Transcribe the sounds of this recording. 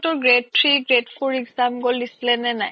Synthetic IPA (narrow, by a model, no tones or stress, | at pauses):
tɔɡɹed̚tʰɹiɡɹedfʰoɹiɡzamɡɔldislɛnɛnaj